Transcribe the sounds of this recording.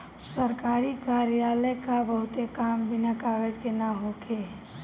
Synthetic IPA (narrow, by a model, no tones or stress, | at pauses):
səɾkaːɾikaːɾjaːləkabəɦʊt̪ekambɪnakaːɡəd͡ʒkenaɦokʰe